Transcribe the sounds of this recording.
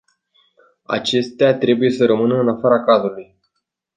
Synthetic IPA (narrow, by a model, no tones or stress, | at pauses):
a̰t͡ʃe̞st̪eat̪ɾe̞buje̞səɾəmɨnəɨnafaɾakazuluj